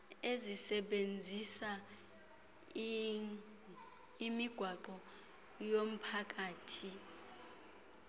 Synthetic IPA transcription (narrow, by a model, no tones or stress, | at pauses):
ezisɛɓend͡zʱisa | imiɡ̥ʱwaǃɔ | jom̩pʰak̬ʼaːtʰi